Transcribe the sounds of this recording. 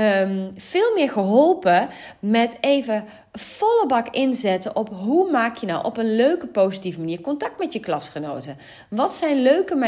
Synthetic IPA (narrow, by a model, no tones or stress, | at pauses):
mv̥ɪːlˠmɪːɹχəɦɔlˠpəmɛtejvə | fɔlˠəbɑkɪnzɛtəʔɔpɦumaːkjənɔ̰wʔɔ̰pənløɥkəpowzitivəmaniːɹkɔntɑk̚tmɛtjəklɑsχəno̰wtə | ʋɑtsɛjnløɥkəma